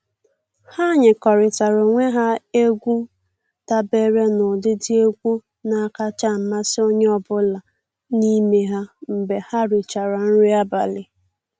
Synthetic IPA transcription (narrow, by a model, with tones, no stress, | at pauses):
ha˦˨ɲɪ˨kɔ˨ɾɪ˨ta˨ɾʊ˨ŋʷe˦ɦa˦e˦ɡʷu˦ | ta˦be˦ɾe˦nʊ˨dɪ˦dɪ˦e˦ɡʷu˦ | na˨ka˦t͡ʃa˦˨m̩˨ma˦sɪ˦o˦ɲe˦ɔ˦bʊ˦la˨ | ni˦me˦ɦa˦m̩˨be˨ha˦ɾɪ˨t͡ʃa˨ɾa˨n̩˦ɾɪ˦a˦ba̰˨lɪ˨